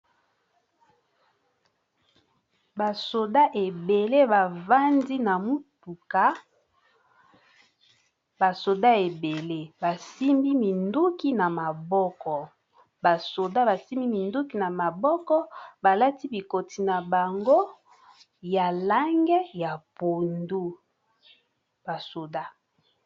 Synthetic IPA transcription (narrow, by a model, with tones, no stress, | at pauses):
ba˨so˨da˦ʔe˨be˨le˦ba˨va˦ndi˦na˨mu˦tu˨ka˨ | ba˨so˨da˦e˨be˨le˦ba˨si˦mbi˦mi˨ndu˦ki˦na˨ma˨bɔ˦kɔ˨ | ba˨so˨da˦ba˨si˦mi˦mi˨ndu˦ki˦na˨ma˨bɔ˦kɔ˦ba˨la˦ti˦bi˨ko˨ti˨na˨ba˨ŋɡo˦ | ja˨la˦ŋɡɛ˦ja˨po˨ndu˦ | b̥a˨so˨da˦